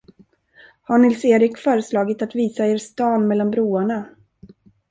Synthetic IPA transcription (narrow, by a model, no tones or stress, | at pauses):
haɳɪlseːɾɪkfœːɾəslɑːɡɪt̪at̪viːsaeːɾst̪ɑːnmɛlːanbɾuːaɳa